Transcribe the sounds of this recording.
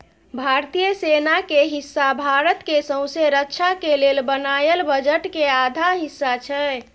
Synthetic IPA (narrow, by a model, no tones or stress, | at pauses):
bʱaɾt̪ijəsenakeɦisːabʱaɾət̪kesə̃ʊ̃seɾəkːt͡ʃʰakelelbənajəlbəd͡ʒəʈkead̪ʱaɦisːat͡ʃʰɛ